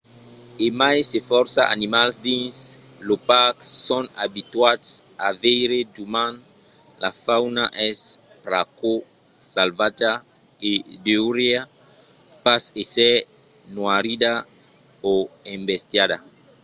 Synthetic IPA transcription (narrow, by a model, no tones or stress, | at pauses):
emajsefɔɾsaʔa̰nimalsd̪ĩns | lopakːɔ̃nabit̪watsavejɾedumãn | la̰fawnaʔɛs | pɾako | salvat̪a | edeɾja | pasesɛ | nwaɾida | oẽmbest̪jada